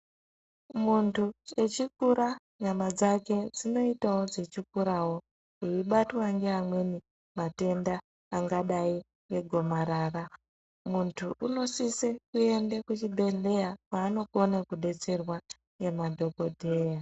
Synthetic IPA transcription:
muntʰue̞t͡ʃik̚uɾa | ɲamad͡zake̞d͡zino̞itawo̞d͡ze̞t͡ʃikuɾawo̞ | uiɓatwaŋɡeɦamwe̞ni | mate̞ndaː | ŋɡaɗai | we̞ɡʱo̞maɾaːra | muntʰuʔuno̞sisekue̞ndekut͡ʃibʱe̞le̞jakwaːno̞konakuɗe̞t͡se̞rwa | jemadʱo̞ko̞dʱeja

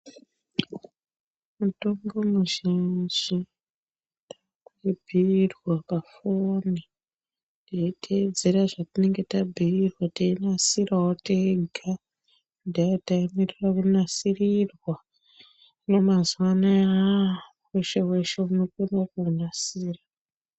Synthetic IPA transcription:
muto̞ŋɡo̞muʒind͡ʒi | tḁ | kuebʱirwakafoni | daitʰed͡ze̞raʐatine̞ŋɡe̞tabʱiirwatainasirawoteɡʱa | udajataimirirakunasirirwa | no̞mazwanaa | weʃe̞we̞ʃe̞uno̞konakuːnasiːra

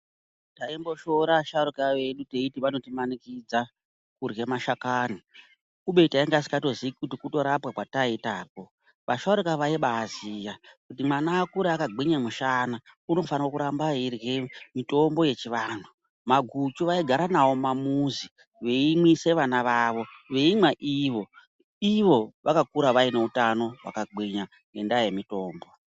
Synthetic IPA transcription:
taimbo̞ʃo̞ɾaʃaɾikaʋe̞ɗute̞itiʋano̞timanikid͡za | kurɣe̞maʃakanu | kuɓe̞taiŋɡasi̥kato̞ziikutikuto̞ɾapwakwataitaːko̞ | ʋaʃaɾikaʋaiɓaːzijakutimanaːkuɾeakaɡiɲemuʃana | uno̞fanirokuɾambairwemito̞mbo̞je̞t͡ʃiʋaːn̤u | maɡʱut͡ʃuʋaiɡʱaɾanawo̞mamuzi | ʋe̞imwise̞ʋanaʋaːʋo̞ʋe̞imwaʔiʋo̞ | iʋo̞ʋʔakakuɾaʋaine̞utano̞wa̰kaɡiɲa | ŋɡe̞ndajemito̞ːmbo̞

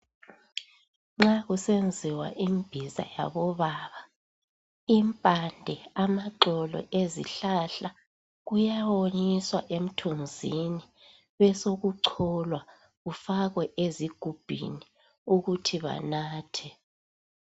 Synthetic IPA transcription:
ŋ͡ǁaɣusend͡zʱiwa̰ʔimb̥ʱiza̰ja̰βɔβaːβa | impʼandʱɛamaǃɔlɔ̰ʔezḭɬaɬa | ɣujawoɲiswaʔem̩tʰund͡zʱini | βɛsoɣuǀʰɔlwa | ɣufaɣwɛʔeziɡ̥ʱub̥ʱḭni | uɣutʰiβa̰naːtʰɛ

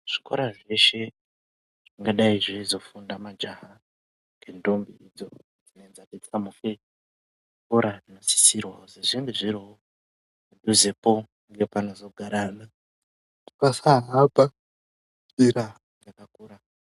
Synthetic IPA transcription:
ʐ̥iko̞̰ɾaʐe̞ʃe̞ | ʐ̥iŋɡaɗaiʐizo̞fundamad͡ʒaɦa | ŋɡendombiid͡zo | d͡zinoend͡zaket͡siamufe | ikoɾarinosi̥sirwaozeʐeŋɡeʐiɾio | uduzepo | ŋɡe̞panozo̞ɡʱaɾaːna | ikasaɦapa | iɾa | ɡakakuːɾa

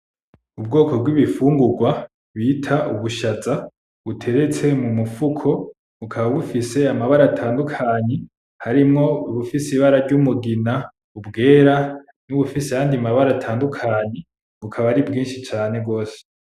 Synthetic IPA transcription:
ub̚ɡo̞ːko̞bɡwiβifuːŋɡuɡwa | βiːtʰaʔuβuʃaza | βutʰe̞ɾe̞t͡se̞mumufukʰo̞ | βukʰaβaβufise̞amaβaɾatʰaːndukʰaɲe | haɾimŋo̞βufisiβaɾaɾɟumuɡina | ubɡe̞ːɾa | nuβufiseajaːndiamaβaɾatʰaːndukʰaɲe | βukʰaβaɾibɡiːnʃit͡ʃaːne̞ɡo̞ːse̥

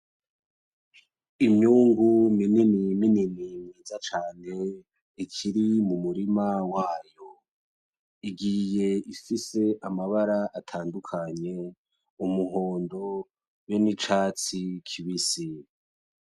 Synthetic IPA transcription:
imɲuːŋɡunininimininimiːzat͡ʃaːne̞ | ikʰiɾimumuɾimawaːjo | iɡije̞ifise̞ʔamaβaɾaʔatʰaːndukʰaɲe̞ | umuɦo̞ːndo̞ | jo̞nit͡ʃaːt͡sikʰiβisi

